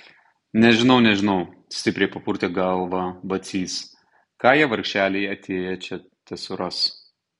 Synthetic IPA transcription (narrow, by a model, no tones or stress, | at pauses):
nʲɛʒʲɪnɐʊnʲɛʒʲɪnɐʊ | sʲt̪ʲɪpʲɾʲɛɪpɐpʊɾʲt̪ʲeːɡɐlˠʋɑbɐt̪sʲiːs | kɑːjiɛʋɐɾʲkʲʃʲt͡ʃʲæːlʲeɪɐt̪ʲeːjɛt͡ʃʲɛ | t̪ʲɛsʲʊɾɐs